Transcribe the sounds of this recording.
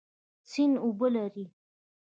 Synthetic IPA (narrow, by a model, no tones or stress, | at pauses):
t͡sinʊbəlaɾi